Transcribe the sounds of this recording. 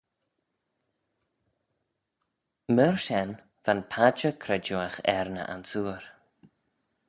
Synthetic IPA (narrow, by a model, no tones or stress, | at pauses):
məɹʃɛn | vanpʰad͡ʒəkʰɾɛd͡ʒuaxɛ̰ɹnə̰ʔa̰nsuːəɹ